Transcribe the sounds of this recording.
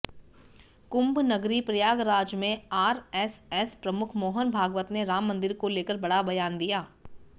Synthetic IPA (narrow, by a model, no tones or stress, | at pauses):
kʊ̃mbnɐɡɾipɾɐjaːɡɾaːd͡ʒmẽaːɾɛsɛspɾɐmʊkʰmoːɦənbʱaːɡʋət̪neɾaːmːə̃nd̪ɪɾkoleːkəɾbɐɽabɐjaːnd̪ijaː